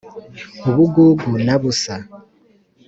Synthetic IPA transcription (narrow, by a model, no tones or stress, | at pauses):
uβuɡuɡunaβusa